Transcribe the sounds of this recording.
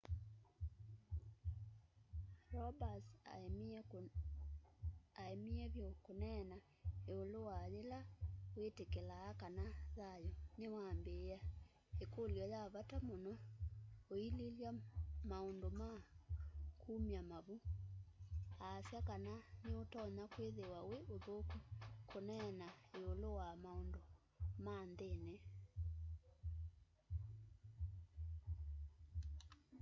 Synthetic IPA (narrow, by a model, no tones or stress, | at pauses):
ɾɔbas | aemiɛβjokonɛna | eolowaðelawetekelaːkanaðajɔnewaːmbea | ekoljɔjaβatamonɔ | oililjamaondoma | kʰumiamaβu | aːsjakananeotɔɲakweðewaweʔoðokukʰonɛnaeolowamaondo | mandenɛ